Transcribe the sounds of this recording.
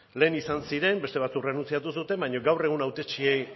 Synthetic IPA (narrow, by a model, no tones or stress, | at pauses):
le̞ːnisansiɾe̞mbe̞st̪e̞β̞at͡sukre̞nunt͡siat̪us̬ut̪e̞mbajɲo̞ɡawre̞ɣ̞unawt̪e̞t͡ʃie̞j